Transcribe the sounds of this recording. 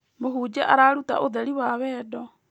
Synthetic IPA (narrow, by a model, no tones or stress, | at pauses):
moɦuːd͡ʒɛʔaɾaːɾuta̰ʔoðɛɾiwaβɛːdɔ